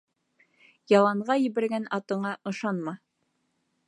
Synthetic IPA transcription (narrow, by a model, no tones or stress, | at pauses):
jɑlˠɑɴʁɑjɘ̆βɘ̆ɾɡænɑt̪ɤ̆ɴɑʔɤ̆ʃɑnmɑ